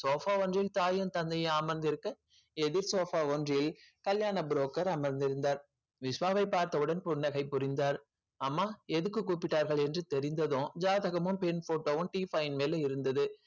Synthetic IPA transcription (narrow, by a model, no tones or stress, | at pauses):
soːfaːʋɔndrɪlt̪aːjɐnt̪ɐnd̪ɐjɐaːmɐnd̪ɪɾɯkːɯ | ɛðɪɾsoːfaːʋɔndrɪlkɐljaːɳɐbɾoːkːɐɾɐmɐɾnd̪ɪɾɯnd̪aːɾ | ʋɪsʋaːʋɐɪpːaːɾt̪ɐʋɯɽɐnpʊɳːɐɣɐɪpːʊɾɪnd̪aːɾ | amːaːɛðɯkːɯkːuːpːɪʈːaːɾɣɐɭɛndrɯt̪ɛɾɪnd̪ɐðõːd͡ʒaːðɐɣɐmʊmpɛnfoːʈːoːʊmʈiːfɐjɪnmeːlɐɪɾɯnd̪ɐðɯ